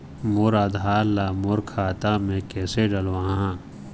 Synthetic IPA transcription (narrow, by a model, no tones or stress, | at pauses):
moɾad̪ʱaːɾlaːmʊɾkʰaːt̪amẽkɛːseɖɐlwaɦãɦã